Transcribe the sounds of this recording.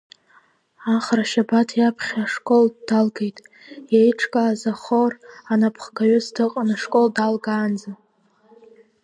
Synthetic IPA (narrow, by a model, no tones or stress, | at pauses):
aχraʃabatʰjapʰχʲaʂkʼo̞ldalɡejtʼ | jejʈ͡ʂʰkʼaːzaχoranapʰχkʰaɥʏsdʰɨqʼanaʂkʼoldalɡaːnd͡za